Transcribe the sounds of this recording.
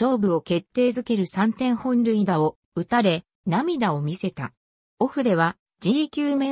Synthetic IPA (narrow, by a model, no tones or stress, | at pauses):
o̞ːbɯ̟o̞ke̞t̪ːe̞ːzɨke̞ɾɯ̟sãnt̪ẽ̞ɰ̃hõ̞nɾʲɯ̟id̪ao̞ | ɯ̟t̪aɾe̞ | namʲid̪ao̞mʲise̞t̪a̰ | o̞ɸɯ̟d̪e̞β̞a | d͡ʑiːkʲɨːmẽ